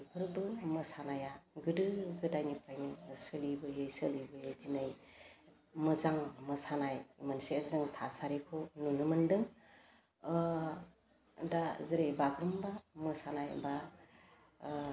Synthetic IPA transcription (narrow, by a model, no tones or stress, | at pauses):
pʰɯɾbɯmɯsanajaɡɯdɯɡɯdajnipʰɾajnisɯlibɯjejsɯlibɯjezinaj | mɯzaŋmɯsanajmansezɯŋtʰasaɾikʰonunɯmɯndɯŋ | dazɯɾebaɡɾɯmbamɯsanajba